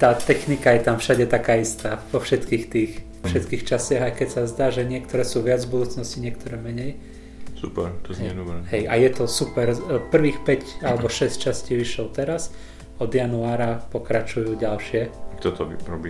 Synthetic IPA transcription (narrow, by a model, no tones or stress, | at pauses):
t̪aːt̪ɛxnikajɛt̪amfʃaɟɛt̪akaːist̪aːvɔfʃɛt̪kiːxt̪iːx | ɔfʃɛt̪kiːxt͡ʃasaɣajkɛcsazd̪aːʒɛɲɪɛk̚t̪ɔɾɛːsuːʋɪad͡zvbud̪uːt͡snɔsciɲɪɛk̚t̪ɔɾɛmɛɲɛj | supɛɾt̪ɔzɛɛnuɛɦɛjʔajɛt̪ɔsupɛɾpr̩ʋiːxpɛcalɛbɔʃɛsct͡ʃasciːʋiʃɔlt̪ɛɾas | ɔd̪januaːɾapɔkɾat͡ʃujuːɟalʃɪɛakt̪ɔt̪ɔɾɔbi